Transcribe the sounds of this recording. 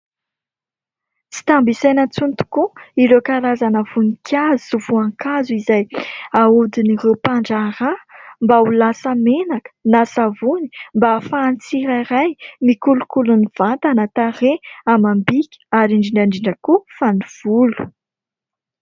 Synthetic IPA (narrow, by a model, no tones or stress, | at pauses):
t͡si̥t̪ambisajnət͡sunt̪u̥kuiɾekaɾazanəvunikʲʰjazusuvuaŋkazuizajaud̪inirepaɳɖ͡ʐaɾambaulasamenakə̥nasavuni̥mbafaːnt͡siɾaɾajmikulukuluniv̥ant̪anat̪aɾeamambikʲə̥aɾiɳɖ͡ʐiɳɖ͡ʐaɳɖ͡ʐiɳɖ͡ʐəkufaniv̥ulu̥